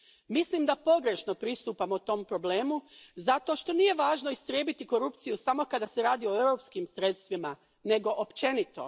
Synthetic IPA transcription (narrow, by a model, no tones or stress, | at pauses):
mislimd̪apo̞ɡɾe̞ʃno̞pɾist̪uːpamout̪o̞mpɾo̞ble̞ːmuzat̪o̞ʃt̪o̞nije̞ʋaːʒno̞ist̪ɾje̞ːbit̪iko̞ɾupt̪sijusamo̞kad̪ase̞ɾaːd̪io̞ewɾo̞pskimsɾe̞t̪st̪ʋima | ne̞ɡo̞ʔopt͡ʃe̞nit̪o̞̰